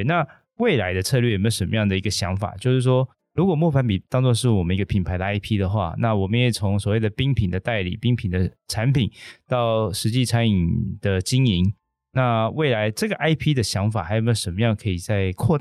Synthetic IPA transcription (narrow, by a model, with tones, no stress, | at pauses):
na˥˨ | we˥˩ɪla˧˥ɪd̪ə˧t͡sʰɤ˥˧lɥɛ˥˩˨me˧˥˩ʂə˧nmə˧jɑ˥˩ŋd̪ə˩i˧˥ɡə˧ɕjɑ˧˥ŋfa̰˨˩t͡ɕjo˥˧ʂɻ̩˥˩ʂwɔ˥ | ɻu˧˥kwɔ˨˩mwɔ˥˩fa˧˥npi˨˩t̪ɑ˥ŋt͡swɔ˥˧ʂ̬ɻ̩˥˩wɔ˨˩mə˦ni˧˥ɡə˧pʰi˨˩npʰa˨˥ɪd̪ə˧a˥ɪpʰi˥d̪ə˨xwa̰˥˩na˥˩wɔ˨˩mə˦jɛ˨˩t͡sʰʊ˧˥ŋswɔ˨˩we˥˩ɪd̪ə˩pi˥ŋpʰi˨˩nd̪ə˦t̪a˥˩ɪlḭ˨˩pi˥ŋpʰi˨˩nd̪ə˦ʈ͡ʂʰa˧˦npʰi˨˩˦nt̪ɑ˥˩ʊʂɻ̩˧˥t͡ɕi˥˩ʈ͡ʂʰa˧˥ni˨˩nd̪̥ə˨t͡ɕi˥ŋi˧˥n | na˥˧we˥˩ɪla˧˥ɪʈ͡ʂɤ˥˩ɡə˩ʔa˥ɪpʰi˥d̪ə˨ɕjɑ˧˥ŋfa̰˨˩xa˧˥jʂə˧˥nmə˧jɑ˥˨ŋkʰɤ˧˥i˨˩t͡sa˥˧ɪkʰwɔ˥˧